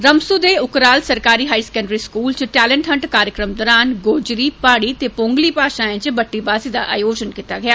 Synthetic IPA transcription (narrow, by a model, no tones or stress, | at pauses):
ɾəmsuːd̪eːʊkɾaːlsəɾkaːɾiːɦaːiːskɛ̃ːɳɖɾiːskuːlt͡ʃʈɛːlə̃ɳʈɦə̃ɳʈkaːɾjəkɾəmd̪ɔɾaːnɡoːd͡ʒɾiːpaːɽiːt̪eːpõːŋɡliːpaːʃaːẽt͡ʃbəʈːiːbaːsiːd̪a̰ːʔa̰ːjoːd͡ʒənkit̪aːɡɪjaː